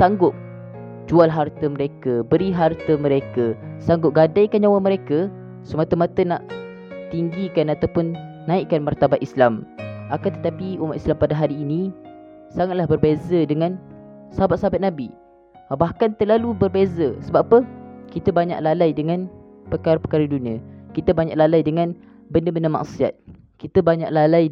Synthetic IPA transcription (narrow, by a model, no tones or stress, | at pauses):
saŋɡʊp̚ | d͡ʒualɦart̪əməɾekəbəɾiɦart̪əmə̃ɾekəsaŋɡʊp̚ɡadajkand͡ʒawaməɾekə | səmat̪əmat̪ənaʔ | t̪iŋɡikanat̪awpʊnː | ãiʔkːanmart̪abat̪islamakant̪ə̥t̪apiumaʔ̪islampadaɦaɾiːnĩ | saŋat̪̚lahbərbezədəŋãn | səɦabat̪̚səabat̪̚nabi | bahkant̪əlalubərbezəsəbaʔapəkit̪əbaɲa̰ʔlalajdəŋan | pəkaɾapə̥kaɾəduniakit̪əbaɲãʔlalajdəŋan | bəndəbəndəma̰ʔsia̰t̪̚ | kit̪əbaɲa̰ʔlalaj